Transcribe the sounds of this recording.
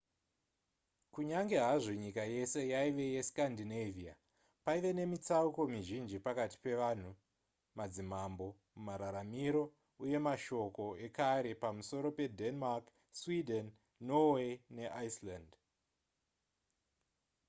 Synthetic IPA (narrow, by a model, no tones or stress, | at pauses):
kuɲaŋɡe̞ɦaʐo̞ɲikaje̞se̞jaiʋe̞je̞skandinevia̰ | paiʋe̞ne̞mit͡sauko̞miʒind͡ʒipakati̥pe̞ʋan̤u | mad͡zimambo̞ | mumaɾaɾamiɾo̞ | uje̞maʃo̞ko̞e̞kaɾe̞pamuso̞ɾo̞pe̞denmak | swidʱenː | owene̞ʔaisland